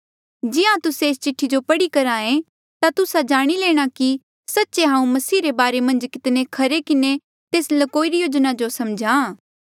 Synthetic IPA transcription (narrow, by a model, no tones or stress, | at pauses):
d͡ʒɪãt̪ʊseːst͡ʃɪʈʰːid͡ʒopɐɽikɐɾaːẽ | t̪at̪ʊsad͡ʒaːɽ̃ileːɽ̃aki | sɐtːʃeɦãːũmɐsiːɾebaːɾemɐ̃nd͡ʒkɪt̪nekʰɐɾekɪne | t̪eːslɐkoːiɾijoːd͡ʒnad͡ʒosɐmd͡ʒʱãː